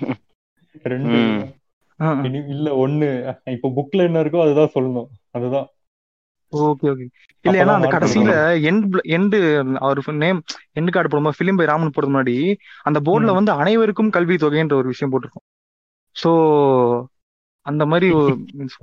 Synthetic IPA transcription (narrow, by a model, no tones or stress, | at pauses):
ɾɛɳɖɯ | aːɪniɪlːɐɔnːɯɪpːoːbʊkːlɐɛnːɐɪɾɯkːõɐðɯt̪ãːsɔlːɐnʊ̃ɐðɯt̪ãː | oːkːeːoːk̬e | ɪlːɐjːnːaːɐnd̪ɐɐkɐɽɐsɪjɪlɐɛɳɖlɛɳɖɯɐʋɐɾɯneːmɛɳɖɯkaːʈɯpɐːɽɯmafɪlɪmbɐɪɾaːmɐnːɯpoːɽɐðɯmʊnːaːɽiɐnd̪ɐboːɖɪlɐʋɐnd̪ɯɐnɐɪʋɐɾɯkːɯmkɐlʋit̪oːɣeɛndrɐɔɾɯʋɪʂɐjɐ̃mpoːʈːɪɾɯkːʊ̃ | soː | ɐnd̪ɐmaːd̪ɾiɔs